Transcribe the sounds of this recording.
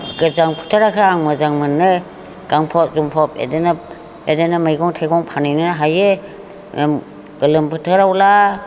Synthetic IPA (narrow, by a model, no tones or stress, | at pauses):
ɡɯzaŋpʰɯ̥tʰɯɾakʰɾaːŋmɯzaŋmɯnːɯ | ɡ̥aŋpʰɔt̚zumpʰɔp̚ḛdenɯ | edenɯmɯjɡɔŋtʰaɡɔŋpʰanɯjnɯnaɦaje | mem | ɡ̥ɯlɯmpʰɯtʰɯɾawla